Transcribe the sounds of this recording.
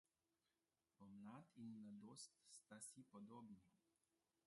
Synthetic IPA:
pɔmlaːt̪inmlad̪oːst̪st̪asipɔd̪oːbni

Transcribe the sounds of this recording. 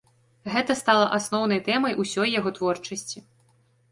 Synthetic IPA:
ɣɛt̪ɐst̪alˠɐʔasnɔwn̪ɐjt̪ɛmɐjʔusʲɔjːaɣɔt̪vɔrt͡ʂɐsʲt͡sʲi

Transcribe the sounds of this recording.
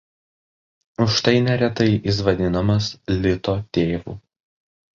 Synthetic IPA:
ʊʃt̪ɐɪnʲɛɾʲɛt̪ɐɪʔis̬ʋɐd̪ʲɪnɐmɐslʲɪt̪oːt̪ʲeːʋṵː

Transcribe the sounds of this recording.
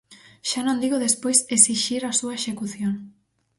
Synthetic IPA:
ʃanõnd̪iɣoðespojsesiʃiɾasuɐeʃekuθjoŋ

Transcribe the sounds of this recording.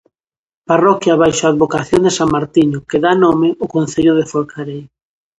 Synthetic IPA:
parɔkjaβajʃoaːðβokaθjond̪esaŋmaɾt̪iɲʊkeðanomɪʔʊkonθeʎʊðefoɾkʰaɾej

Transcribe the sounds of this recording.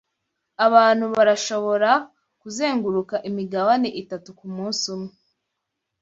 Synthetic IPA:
aβaːn̥huβaɾaʃo̞βo̞ɾa | kuze̞ːŋɡuɾukaʔimiɡaβaneʔitatukumuːnsumŋe

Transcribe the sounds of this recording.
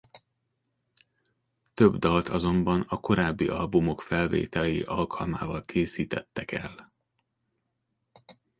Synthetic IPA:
t̪ø̞bd̪ɒlt̪ʰɒzo̞mbɒnɒko̞ɾaːbːiʔɒlbumo̞kfɛlvḛːt̪ɛlɛjḭʔɒlkʰɒlma̰ːvɒlkʰeːsiːt̪ɛt̪ːɛkɛl

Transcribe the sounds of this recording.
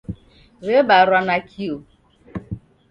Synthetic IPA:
ɣebaɾwanakʰio

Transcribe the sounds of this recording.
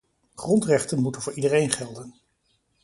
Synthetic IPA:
χrɔntrɛχtənmutənvʊːɹidərejnχɛlˠdən

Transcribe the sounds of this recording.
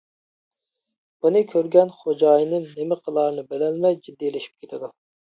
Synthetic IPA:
bunɨkʲʰøɾɡʲɛnχod͡ʒɑːjnɨnnemɪqʰəlˠɑːɾnɨbelɛlmɛjd͡ʒid̪ːilɪʃi̥p̚kʲʰet̪ʰɪd̪u

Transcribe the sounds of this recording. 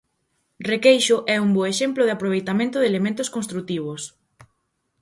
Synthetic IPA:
rekejʃʊʔɛumboeʃemplʊðɪapɾoβejt̪amẽnt̪ʊðelemẽnt̪ʊskonst̪ɾut̪iβ̞ʊs

